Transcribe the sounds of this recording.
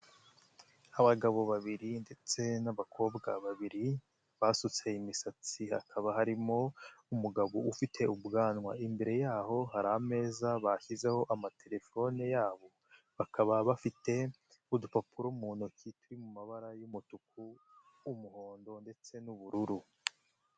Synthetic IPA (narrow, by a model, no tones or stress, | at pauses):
aβaɡaβo̞βaβiɾinde̞t͡se̞naβakʰo̞ːbɡa̰βaβiɾi | βaːsut͡se̞imisat͡siha̰kʰaβahaɾimo̞umuɡaβoufitʰe̞ubɡaːnŋwa̰imbe̞ɾe̞jaːho̞haɾaame̞ːzaβaçize̞ho̞ʔamatʰe̞ɾe̞fo̞nejaːβo̞ | βakʰaβaβafite̞ | udupapuɾomuːnukituɾimumaβaɾajumutuk̚ʰuː | muho̞ːndo̞nde̞t͡se̞nuβuɾuɾu